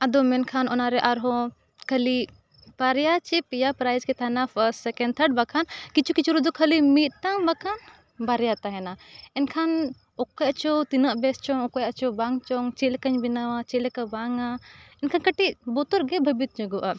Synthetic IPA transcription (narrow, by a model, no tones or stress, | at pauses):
ad̪ɔmɛnkʰanɔnaɾɛʔaɾɦɔ̃ | kʰəli | b̥aɾjat͡ʃɛpijapɾajzkɛt̪ʰanapʰəssɛkɛɳ̚t̪ʰəɾɖ̚bakʰankit͡ʃʰukit͡ʃʰuɾɔd̪ɔkʰəlimit̪̚ˀt̪aŋbakʰan | baɾjat̪aɦɛnaɛnkʰan | ɔkɔjaʔt͡ʃɔt̪inaʔbɛst͡ʃɔŋɔkɔjaʔt͡ʃɔbaŋt͡ʃɔŋt͡ʃɛlɛkəɲbinawat͡ʃɛlɛkabaŋaɛnkʰankəʈiʔbɔt̪ɔɾɡɛbʱəbit̪̚ɲəɡɔʔa